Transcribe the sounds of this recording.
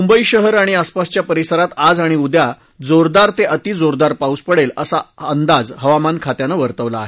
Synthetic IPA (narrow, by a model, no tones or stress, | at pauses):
umbəiɕəɦəɾaɽ̃iaspast͡ɕjapəɾisəɾat̪ad͡zaɽ̃iud̪ja | d͡zoɾd̪aɾt̪eʔət̪iːd͡zoɾd̪aɾpauspəɽelə̰saənd̪ad͡zɦəʋamankʰat̪janəʋəɾt̪əʋlaːɦe